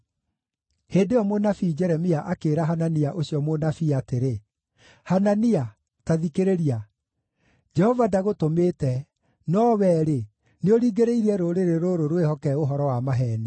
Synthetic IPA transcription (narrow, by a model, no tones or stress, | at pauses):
heːndeɔmonafid͡ʒɛɾɛmiaʔakeːɾaɦananiaʔoɕiɔmonafiateɾe | hanania | taðikeɾeɾia | d͡ʒɛhɔvadaɣotomeːtɛ | nɔwɛːɾe | neoɾiːɡeɾeiɾɛɾoɾeɾeɾoɾoɾwehɔkɛoɦɔɾɔwamaɦɛne